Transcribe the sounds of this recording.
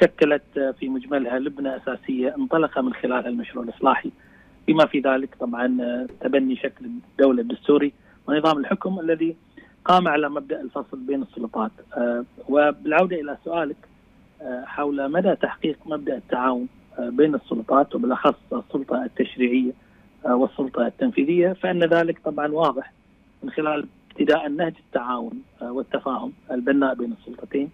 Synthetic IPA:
ʃakːalat̪fimʊd͡ʒmalhalʊbnaʔasaːsɪjːaʔɪnt̪ˤɑlɑqɑmɪnxɪlaːlhalmaʃɾuːʕɪlʔɨsˤlɑːħi | fimafiðaːlɪkt̪ˤɑbʕɑnt̪abanːiʃaklɪd̪ːawlad̪ːʊst̪uːɾi | wɪnɨðˤɑːmɪlħʊkʊmʔalːaði | qɑːmʕalamab̚d̪aʔɪlfɑsˤlbeːnɨsˤːʊlʊt̪ˤɑːt̪ | wɪbɪlʕawd̪aʔɪlasʊʔaːlɪkː | ħawlmad̪aʔt̪aħqiːqmab̚d̪aʔɪt̪ːaʕaːwʊn | beːnɨsˤːʊlʊt̪ˤɑːt̪wbɪlʔɑxɑsˤːɨsˤːʊlt̪ˤɑt̪ːaʃɾiːʕɪjːa | wɨsˤːʊlt̪ˤɑt̪ːamfiːðɪjːafaʔɪnːaðaːlɪkt̪ˤɑbʕɑnwɑːðˤɨħ | mɪnxɪlaːlɪb̥t̪ɪd̪aːʔnːahd͡ʒɪt̪ːaʕaːwʊnwɪt̪ːafaːhʊmɪlbɪnːaːʔbeːnɨsˤːʊlt̪ˤɑt̪eːn

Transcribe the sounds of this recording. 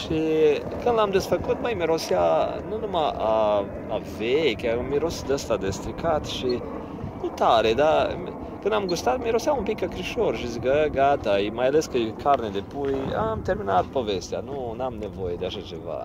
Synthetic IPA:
ʃi | kɨnd̪lamd̪esfəkut̪̚məjmeɾosjanunumaaː | vejkʲameɾosid̪əst̪ad̪est̪ɾikʰat̪ʃi | nut̪aɾed̪am | kɨnd̪amɡust̪at̪meɾosjaumpikakɾiʃoɾʃizɡəɡat̪aimajaleskəjkʰaɾned̪epuja̰mt̪eɾminat̪̚povest̪ea̰nunamnevojed̪eaʃat͡ʃeva̰

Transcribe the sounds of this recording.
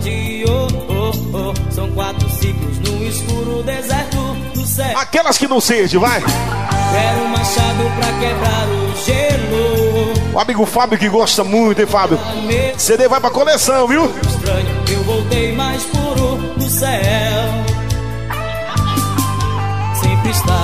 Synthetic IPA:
d͡ʒiooosɐ̃w̃kwat̪ɾʊsiklʊznũiskuɾʊd̪ezɛɾt̪ʊ | d̪ʊsɛakɛlɐskɪnɐ̃w̃seɾd͡ʒɪ̃vajzɛɾũmaʃad̪ʊpɾɐkebɾaɾʊʒeluʊʔamiɡʊfabjʊkɪɡɔst̪ɐmũj̃t̪ʊẽfabjʊ | mesed̪evajpɾɐkolesɐ̃w̃viwist̪ɾɐ̃ɲʊewvowt̪ejmajspuɾʊ | d̪ʊsɛw | sẽpɾist̪a

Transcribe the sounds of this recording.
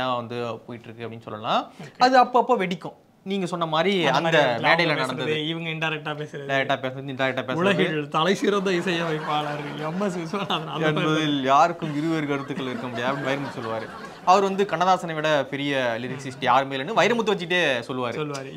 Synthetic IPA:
aːʋɐnd̪ɯpoːjɪʈːɪɾɯkːɯɐpːɐɽɪnːɯsɔ̰lːɐlãːkɐðɯɐpːoɐpːoːʋɛɽɪkʲːʊ̃ | niːŋɡɐsɔnːɐmaːd̪ɾiɐnd̪ɐmeːɽɐjlɐnɐɽɐnd̪ɐðɪʋɐŋɡɐɪnɖɐɪɾɛk̚ʈaːpeːsɪɾɐɖɐɪɾɛkʈːaːpeːsɐnɐðɪnɖɐɪɾɛkʈːaːpeːsʊɭɐɣɪɭt̪ɐɭɐɪsiɾɐnd̪ɐɪsɐjɐʋɐɪpːaːlaɾɯɐmːɐssɐnaɐðnaːɛnbɐðɪljaːɾɯkːɯmɪɾɯʋeɾɯkɐɾɯt̪ːɯkːɐɭɪɾɯkːɐmʊɽɪjaːɐpɐɽnʋɐɪɾɐmɐt̪ːɯsɔlːɯʋaːɾɯ | ɐʋɐɾʋɐnd̪ɯkɐɳːɐðaːsɐnɐʋɪɽɐpɪɾɪjɐlɪɾɪksɪsʈjaːɾɯmeːlnːɯʋɐjɪɾɐmɯt̪ːɯʋɐt͡ʃːɪʈːeːsɔlːɯʋaːɾɯɔlːɯʋaːɾɯ

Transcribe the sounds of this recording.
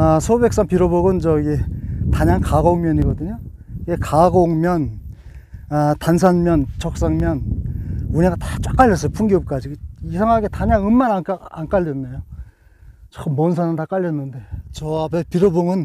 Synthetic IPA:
asʰobe̞k̚s͈aŋpiɾoboɡɯnt͡ɕʌiɡetaɲaŋkaɡoŋmjʌɲiɡʌdɯɲo | ɡekaɡoŋmjʌn | atansʰanmjʌnt͡ɕʰʌk̚s͈aŋmjʌn | uɲeɡatat͡ɕ͈wak͈aʎːʌs͈ʌjopʰuŋɡiup̚k͈ad͡ʑiɡɯisʰaŋɦaɡe̞taɲaŋɯmːanaka̰nk͈aʎːʌnːejo | t͡ɕʌk͈ɯmmʌnsʰanantak͈aʎːʌnːɯnde̞t͡ɕʌapepiɾoboŋɯn

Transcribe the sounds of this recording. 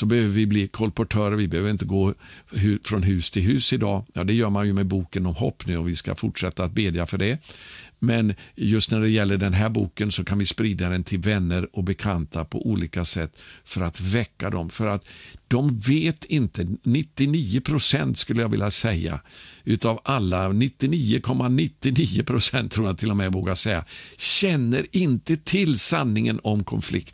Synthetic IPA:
sɔbɛhøːvəɾvɪbliːkʰɔlpʊʈʰœːɾəɾvɪbɛhøːvəɾɪnt̪əɡoːhʉfɾɔnɦʉ̟ːst̪ʰɪlɦʉ̟ːsɪd̪ɑ̰ːjɑ̰ːd̪ɛjœːɾmanjɵmɛbuːkənɔmɦɔ̰pːnʉ̟ːɔmvɪska̰fʊʈʂɛt̪ːaːt̪̚beːd̪jafœɖɛ | mɛnjɵst̪næɖɛjɛlːəɖɛnɦæːɾbuːkənsɔkʰanvɪspɾiːd̪ad̪ɛnt̪ʰɪlvɛnːəɾɔkbɛkʰant̪ʰapʰɔ̰ʔuːlʔiːkasɛt̪ːfœɾat̪vɛkːad̪ɔmfœɾat̪d̪̥ɔmveːt̪ʰɪnt̪ənɪt̪ːɪniːʊpʰɾʊsɛnt̪skɵlːəjaɡvɪ̰ljasɛjːa̰ʉ̟ːt̪avʔalːanɪt̪ːɪniːʊkʰɔmːanɪt̪ːɪniːəpʰɾʊsɛnt̪ʰːɾuːjat̪ʰɪlːɔmɛvoːɡasɛjːa̰ɕɛnːəɾɪnt̪ət̪ʰɪlsanːɪŋənɔmkʰɔnflɪ̰kt̪

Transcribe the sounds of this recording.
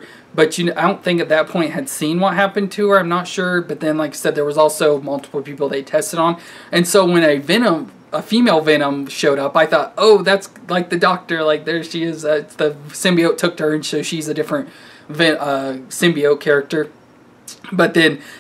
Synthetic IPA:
b̥ʌt͡ʃɨaɪdõʊ̃nθɪ̃ŋkɨt̪̚ðɨt̚pʰɔ̃ɪ̃nʔ̚hɨd̥sĩnwʌt̚ɦæpɨ̃ntʰɨə˞ãɪ̃mnətʃʊɹbʌt̪̚ðɨ̃nlaɪksɛd̪̚ðə˞wʌzɔlˠsoʊmʌlˠtə̥pl̩ˠpʰipl̩ˠðeɪtʰɛstɨɾn̩ | ɨ̃nsoʊwə̃ñɨvɪñə̃m | əfimeɪlˠvɛñə̃mʃoʊɾʌpaɪθɔtoʊðætslaɪk̚ðɨdɔk̚tə˞laɪk̚ðə˞ʃiɪzʌðɨsɪ̃mbioʊtʰʊk̚tʰə˞ɨ̃nsoʊʃizɨdɪfɹɨ̃nt̚ | vɪʌsɪ̃mbioʊkʰɛɹɨk̚tə˞ | b̥ʌt̪̚ðɨ̃n

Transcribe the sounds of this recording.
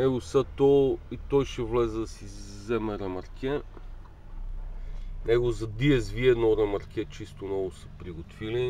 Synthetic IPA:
nɛɡosət̪ɔit̪ɔjʃɛvlɛzɛd̪ɐsi | zɛmɛɾɛmɐɾkʲɛ | nɛɡozɐd̪iɛzviɛd̪nɔɾɛmɐɾkʲɛt͡ʃist̪onɔvʊsə̥pɾiɡot̪vili

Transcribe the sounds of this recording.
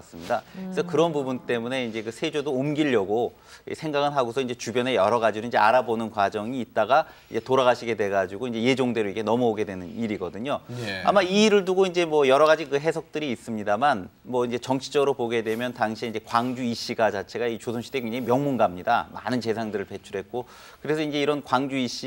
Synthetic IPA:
s͈ɯmɲidakesʰʌkɯɾʌnpubunt͈e̞mune̞ind͡ʑe̞kɯsʰe̞d͡ʑodoːmɡiʎːʌɡo | ḭsʰe̞ŋɡaɡɯnɦaɡosʰʌind͡ʑe̞t͡ɕubjʌne̞jʌɾʌɡad͡ʑidoiɲd͡ʑe̞aɾabonɯnkwad͡ʑʌŋiːt̚t͈aɡa | id͡ʑe̞toɾaɣaɕʰiɡe̞dwe̞ɡad͡ʑiɡoind͡ʑe̞je̞d͡ʑoŋde̞ɾoiɡe̞nʌmuoɡe̞dwe̞nɯniɾiɡʌdɯɲoa̰maiːɾɯɭduɡoind͡ʑe̞mwʌjʌɾʌɣad͡ʑikɯɦe̞sʰʌk̚t͈ɯɾiːs͈ɯmɲidamanmwʌind͡ʑe̞t͡ɕʌŋt͡ɕʰi̥d͡ʑʌɡɯɾopoɡe̞dwe̞mjʌntaŋɕʰieind͡ʑe̞kwaŋd͡ʑuiɕ͈iɡat͡ɕat͡ɕʰe̞ɡait͡ɕosʰoŋɕʰidekeŋɲd͡ʑʌimjʌŋmunɡamɲida̰ma̰nɯnt͡ɕe̞sʰaŋdɯɾɯɭpe̞t͡ɕʰuɾɦe̞t̚k͈o | kɯɾe̞sʰʌind͡ʑe̞iɾʌnkwaŋd͡ʑuiɕ͈i

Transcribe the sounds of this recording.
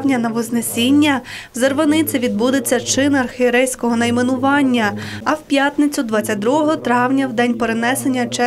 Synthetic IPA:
wnʲɐnɐʋɪznesʲinʲːɐwzerʋɐnɪt͡sʲɪʋʲid̪̚bud̪ɪt͡sʲːɐt͡ʃɪnɐrxɪeɾɛjsʲkɔɦɔnɐjmenʊʋɑnʲːɐɐwpʲjat̪nɪt͡sʲʊd̪ʋɑt͡sʲːɐt̚ʲd̪ɾuɦɔɦɔt̪ɾɑwnʲɐwd̪ɛnʲpeɾenɛsenʲːɐt͡ʃɛ

